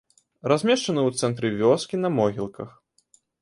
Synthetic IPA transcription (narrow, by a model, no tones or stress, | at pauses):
ɾazʲmʲɛʂt͡ʂɐnɨwt̪sɛnt̪ɾɨvʲɔskʲinɐmɔɣʲilˠkɐx